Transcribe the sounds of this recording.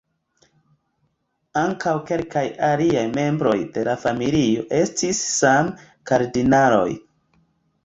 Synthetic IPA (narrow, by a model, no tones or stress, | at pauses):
aŋkawke̞lkajaliajme̞mbɾo̞̰jde̞lafamilio̞ʔe̞stisːam | kaɾdinalo̞̰j